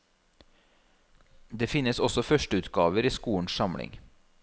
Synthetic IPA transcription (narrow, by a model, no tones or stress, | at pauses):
d̪eːfɪnəsɔsɔfœʃʈəʉːt̪ɡɑːʋəɾiːskuːəɳ̩ssɑmɽɪ̰ŋ